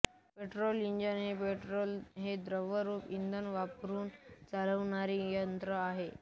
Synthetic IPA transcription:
peʈɾoliɲd͡ʑənɦepeʈɾolɦed̪ɾəʋəɾuːpind̪ʱənʋapɾuːnt͡saləʋɳaɾijənt̪ɾəaɦe

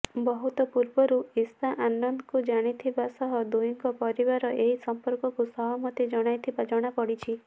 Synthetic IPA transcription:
bɔɦut̪ɔpuɾbɔɾuist̪ʰaʔanːɔnd̪ɔkud͡ʒaɽ̃it̪ʰibasɔɦɔd̪ujiŋkɔpɔɾibaɾɔʔeɦisɔmpɔɾkɔkusɔbamɔt̪id͡ʒɔɽ̃ajt̪ʰibad͡ʒɔɽ̃apɔɽit͡ʃʰi

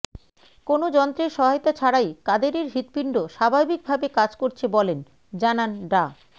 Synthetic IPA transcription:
konod͡ʑɔnt̪ɾeɾʃɔɦajot̪at͡ɕʰaɽajkad̪eɾeɾɦit̪piɳɖoʃabʱabik̚bʱabekad͡ʑkoɾt͡ɕʰebɔlen | d͡ʑananɖa

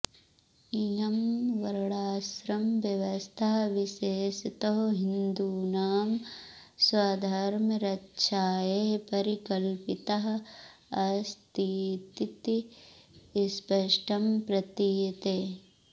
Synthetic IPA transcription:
ijɐmʋɐɾɐɭaːsɾɐmʋjɐʋɐst̪ʰaɦɐʋiʃeːʃit̪ɐɦoɦind̪uːnaːm | swaːd̪ʱaːɾmɐɾɐtːʃʰaːjepɐɾikɐlpit̪ɐɦɐ̆ɐst̪ʰiːt̪it̪i | spɐʃʈʰɐmpɾɐt̪iːt̪eː

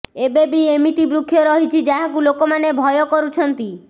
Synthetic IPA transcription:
ebebiemit̪ibɾukʰːjɔɾɔɦit͡ʃʰid͡ʒaɦakulokomanebʱɔjokɔɾut͡ʃʰɔnt̪i

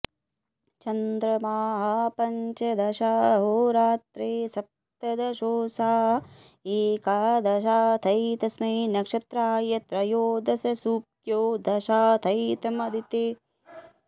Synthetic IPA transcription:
t͡ʃɐnd̪ɾɐmaːɦɐpɐɲt͡ʃɐd̪ɐʃaːɦoːɾaːt̪ɾeːsɐp̚ | t̪ɐd̪ɐʃoːsaːɦɐ | eːkaːd̪ʱɐʃaːt̪ʰɐjt̪ɐsmɐːnɐkʂɐt̪ɾaːjɐt̪ɾɐjoːd̪ɐsɐsuːp̚ | joːd̪ɐʃaːt̪ʰɐjt̪ɐmɐd̪ʱit̪e

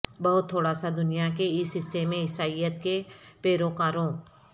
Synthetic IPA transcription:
bɐɦʊt̪ʰːoːɽasad̪ʊnijakeɪsɦɪsːemẽɦɪsaːijət̪kepeːɾokaːɾõː

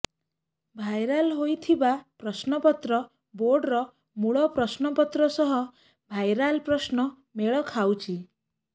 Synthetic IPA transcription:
bʱajɾalɦojt̪ʰibapɾɔsnɔpɔt̪ɾɔ | boɾɖɾɔ | muɭɔpɾɔsnɔpɔt̪ɾɔsɔɦɔ | bʱajɾalpɾɔsnɔ | meɭɔkʰawt͡ʃʰi

